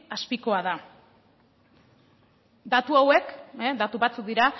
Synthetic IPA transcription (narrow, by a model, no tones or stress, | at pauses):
aspiko̞aða | d̪at̪uawe̞kd̪at̪uβat͡suk̚d̪iɾa